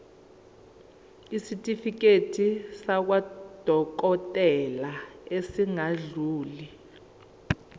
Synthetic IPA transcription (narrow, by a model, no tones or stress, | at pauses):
isitʼifik̬etʰisak̬wad̥ʱɔk̬ɔtʼɛlaesiŋaɮuːli